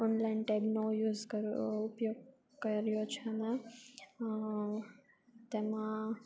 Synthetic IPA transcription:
ɔnlaɪnʈebnojuːzkəɾʊpjoːɡ̚ | kɐɾijot͡ʃʰɐnɐ | t̪eːmã

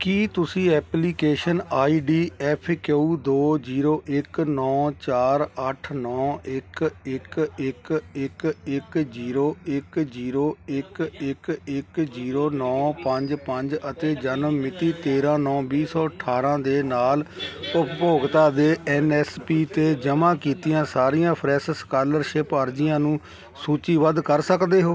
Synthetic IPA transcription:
kiːt̪ʊsĩːɛːpliːkeːʃənaːiːɖiːɛːpʰkeuːd̪oːd͡ʒiːɾoːʔɪknɔːt͡ʃaːɾəʈʰnɔːɪkɪkɪkɪkɪkd͡ʒiːɾoːɪkd͡ʒiːɾoːɪkɪkɪkziːɾoːnɔːpəɲd͡ʒpəɲd͡ʒət̪eːd͡ʒənmmɪt̪iːt̪eːɾãːnɔːbiːsɔːəʈʰːaːɾãːd̪eːnaːlʊppoːɡt̪aːd̪eːɛːnɛːspiːt̪eːd͡ʒəmãːkiːt̪ijãːsaːɾijãːpʰɾɛːsəskaːləɾʃɪpəːɾd͡ʒɪjãːnũː | suːt͡ʃiːʋəd̪kəɾsəkd̪eːɦoː

